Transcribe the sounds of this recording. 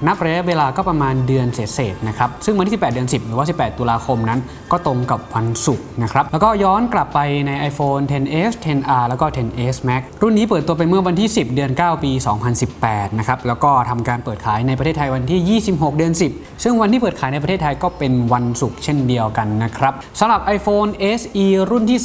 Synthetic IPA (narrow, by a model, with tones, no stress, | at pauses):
na˦˥p̚ɾa˧ja˦˥˩weː˧laː˧kɔː˥˩pɾa˧maː˧ndɯ˧ənseː˩˦˥t̪̚seː˨˩t̪̚na˦˥kʰɾa˦˥p̚sɯ˥˩ŋa˧t̪ʰiː˥˩pːt̪̚ːənsi˨˩p̚ɾɯː˩˦a˥˩si˨˩pːɛː˨˩t̪ːu˧laː˧kʰo˧mna˦˥n | kɔː˥˩t̪o˧ŋka˨˩p̚wa˧nsu˨˩k̚na˦˥kʰɾa˦˥p̚lɛ˦˥wkɔː˥˩jɔː˦˥nkla˨˩pːa˧jna˧jʔa˧jfoː˧nt̪ʰe˧nʔeː˦˥st̪ʰe˧nʔaː˧lɛː˦˥wkɔː˥˩t̪ʰe˧nʔeː˦˥smɛ˦˥k̚ɾu˥˩nːiː˦˥p̬ɤː˨˩t̪ːu˧ɐp̬e˧nmɯ˥˩ɐwa˧nt̪ʰiː˥˩si˨˩p̚dɯ˧ənkaː˥˩wpiː˧sɔː˩˦ŋpʰa˧nsi˨˩pːɛː˨˩t̪̚na˦˥kʰɾa˦˥p̚lɛː˦˥wkɔː˥˩t̪ʰa˧mkaː˧npɤː˨˩t̪̚kʰaː˩˦jna˧jp̬ɾt̪ʰeː˥˩t̪ʰa˧jwa˧nt̪ʰiː˥˩jiː˥˩si˨˩p̚ɦo˨˩k̚dɯ˧ənsi˨˩p̚ | sɯ˥˩ŋwa˧nt̪iː˥˩pɤː˨˩t̪̚ʰaː˩˦jna˧jpɾʰe˥˩t̪ʰa˧jkɔː˥˩pe˧nwa˧nsu˨˩k̚t͡ɕʰe˥˩ndi˧əwka˧nːa˦˥kʰɾa˦˥p̚sa˨˦mɾa˨˩p̚ʔa˧jfoː˧nʔeː˦˥sʔiː˧ɾu˥˩nt̪ʰiː˥˩